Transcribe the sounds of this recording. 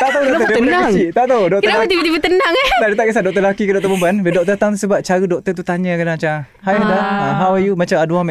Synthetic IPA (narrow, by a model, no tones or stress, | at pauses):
t̪aʔt̪audɔk̪əənat͡ʃit̪aʔt̪audɔk̚tk̪əalat̪ibət̪ibət̪ənaŋt̪adət̪aʔkisadɔk̚t̪əlakikədɔk̚t̪əməmbanbədɔk̚t̪ət̪aŋt̪əsəbap̚t͡ʃaɾədɔk̚t̪ət̪̬ut̪aɲə̃kanat͡ʃa | hajdaaɦawajumat͡ʃamaduamɛ̃